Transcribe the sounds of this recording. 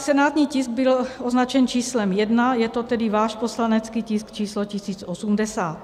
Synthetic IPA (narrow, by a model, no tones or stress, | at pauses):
sɛnaːt̪ɲiːcɪsɡ̚bɪloznat͡ʃɛnt͡ʃiːslɛmjɛdnajɛt̪ot̪ɛdɪvaːʃposlanɛt͡skiːciskt͡ʃiːslocisiːt͡sosumdɛsaːt̪